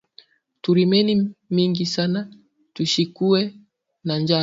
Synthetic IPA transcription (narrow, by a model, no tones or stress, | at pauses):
tuɾimɛnimiŋɡisana | tuʃikuɛ | nand͡ʒa